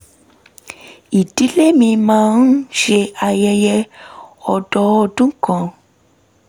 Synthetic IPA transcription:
i˨ti˨˦le˦mĩ˧mãː˦n̩˦ʃe˧a˧jɛ˧jɛ˧ɔ˧dɔ˧˦ɔ˧dũ˦kã˧

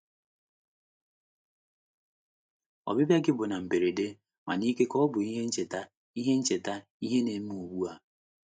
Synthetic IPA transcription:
ɔ̰˨bɪ˦bja˦ɡɪ˦bʊ˨na˨m̩˨be˨ɾe˨de˦ | ma̰˨ni˦ke˦kɔ˦bʊ˨i˦ɦe˦n̩˦t͡ʃe˨ta˦ | i˦ɦe˦n̩˦t͡ʃe˨ta˦ | i˦ɦe˦ne˨˦m˦˨o˨wu˦a˦

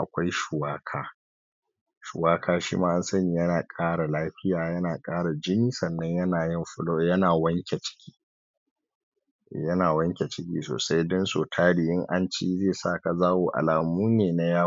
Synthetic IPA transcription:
ʔa˨kʷa˦jʃʊ˨waː˦kʰaː˦ | ʃʊ̰˨waː˦kʰaː˦ʃḭː˦maː˦ʔa˦nsɐ˦ni˨jɐ˦naː˨kʼaː˦ɽa˨laː˦ɸɪ˦jaː˨jɐ˦naː˨kʼaː˦ɽa˨d͡ʒɪ˦niː˦sɐ˨nːɐ˦ɲjɐ˦naː˨jɪ˦mɸʊ˦lo˦jɐ˦naː˨wɐ˦ŋkʲe˨t͡ʃɪ̥˦kʲʰi̥ː˦ | jɐ˦naː˨wɐ˦ŋkʲe˨t͡ʃɪ˦kʲḭː˦so̰ː˨sa˦jdʊ˦nsoː˨tʰaː˦ɽi˨jɪ˦ŋʔa˦nt͡ʃi˦zeː˦˨saː˦˨ka˨zaː˦woː˨ʔa̰˨laː˨muː˦neː˨na˦jaː˦

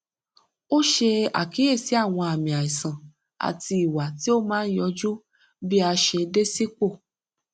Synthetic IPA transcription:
o˦ʃe˧a̰˨ki˨˦e˦˨si˨˦a˦˨w̃ɔ̃˧a˨mĩ˨a˨i˨sã˨ | a̰˨ti˧i˨wa˨ti˨˦o˦mãː˦jɔ˧d͡ʒu˦ | bi˦a˧ʃe˧de˦si˦k͡po˦˨

